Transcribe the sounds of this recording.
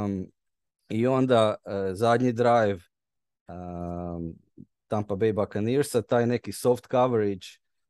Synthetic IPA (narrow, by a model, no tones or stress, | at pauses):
io̞nd̪azad̪ɲid̪ɾajʋ | t̪ampabejbakaniɾsat̪aːjnekisoft̪kaʋeɾid͡ʒ